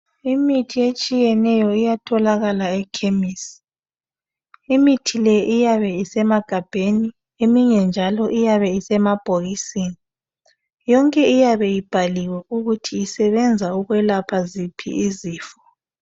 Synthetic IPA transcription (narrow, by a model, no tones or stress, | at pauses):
imitʰiet͡ʃʼijɛnɛjɔijatʰɔlaɣalaɛkʰemisi̥ | imitʰilɛʔijaβɛisɛmaɡ̥ʱab̥ʱeni | emiɲɛnd͡ʒʱalɔʔijaβɛisɛmab̥ʱoɣisiːni | jɔŋkʼɛijaβɛjib̥ʱaliwɛuɣutʰiisɛβɛnd͡zʱauɣwɛlapʰazipʰḭiziːfɔ̥